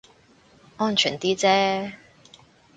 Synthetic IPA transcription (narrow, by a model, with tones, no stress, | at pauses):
ɔː˥nt͡ʃʰyː˨˩nt̪iː˥t͡sɛː˥